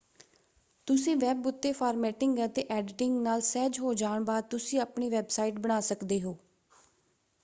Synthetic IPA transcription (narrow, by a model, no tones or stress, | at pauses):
t̪ʊsĩːʋɛːbʊt̪ːeːpʰaːɾmɛːʈɪŋɡət̪eːʔɛːɖʈɪŋɡnaːlsɛːd͡ʒɦoːd͡ʒaːɳbaːd̪̚t̪ʊsĩːapɳiːʋɛːbsaːiːʈbəɽ̃aːsəkd̪eːɦoː